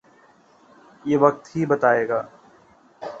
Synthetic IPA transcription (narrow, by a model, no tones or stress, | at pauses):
jeːʋɐk̚t̪ɦibɐt̪aːeːɡaː